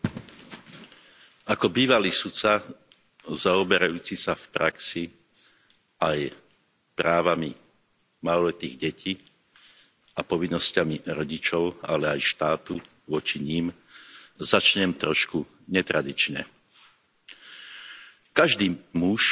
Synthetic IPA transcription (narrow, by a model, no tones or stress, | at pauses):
akɔbiːʋaliːsut͡sa | zaɔbɛɾajuːt͡sisafpɾaksi | aj | pɾaːʋami | malɔlɛt̪iːɣɟɛcʰiː | apɔʋinːɔscamiɾɔɟit͡ʃɔʊalɛajʃt̪aːt̪u | ʋɔt͡ʃiɲiːm | zat͡ʃɲɛmt̪ɾɔʃku | ɲɛt̪ɾad̪it͡ʃɲɛ̰ | kaʒd̪iːmuʃ